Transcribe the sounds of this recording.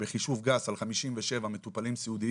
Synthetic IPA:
beχiʃuvɡasalχamiʃimveʃevame̞t̪upalimsiud̪i

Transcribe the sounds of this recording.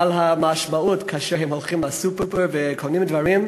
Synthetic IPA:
alɦamaʃmautkʰaʃɛɹhɛmholˠχimlasupɛpɛɹvɛkʰonĩmdvaɹim

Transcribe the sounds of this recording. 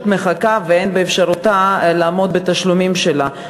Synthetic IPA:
t̪me̞χakaveenbeefʃaʁut̪alaːmo̞d̪̚bet̪aʃlumimʃela

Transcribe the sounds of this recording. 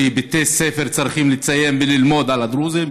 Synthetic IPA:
ibet̪esefeɾt͡sɾiχimlit͡saje̞mbelilmo̞d̪alad̪ɾuzim

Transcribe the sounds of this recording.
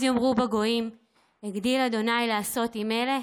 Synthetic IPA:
zjomʁubeɡo̞im | eɡd̪ilad̪o̞najlaːso̞timele

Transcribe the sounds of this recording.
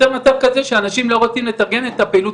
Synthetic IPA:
enot͡savkaze̞ʃeanaʃimlo̞ʁot͡simlet̪aʁɡe̞ne̞t̪apeiːlut

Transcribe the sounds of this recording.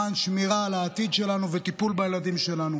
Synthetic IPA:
anʃmiʁaːlaːt̪id̪ʃe̞lanuvet̪ipulbajelad̪imʃe̞lanu

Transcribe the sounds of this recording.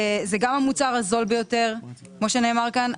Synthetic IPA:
zeɡamamut͡saʁazo̞lbejo̞teʁ | kmo̞ʃeneːmaʁkan

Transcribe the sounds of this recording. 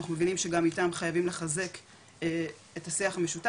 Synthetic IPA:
aχnumevinimʃeɡamitamχajavimle̞χaze̞kː | etasiaχame̞ʃuta

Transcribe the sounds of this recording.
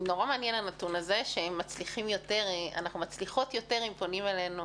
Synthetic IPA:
no̞ʁameanjenlanatunaze̞ʃeemːat͡sliχimjo̞te̞ʁa̰naχnumat͡sliχo̞tjo̞te̞ʁimponimele̞nu

